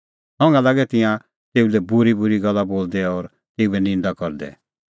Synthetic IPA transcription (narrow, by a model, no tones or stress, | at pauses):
ɦɔ̃ːŋɡãlaːɡɛt̪ɪ̃jã | t̪eːulɛbʊɾibʊɾiɡɐlːaboːld̪ɛɔɾ | t̪eːubɛnɪ̃nd̪akɔɾd̪ɛ̰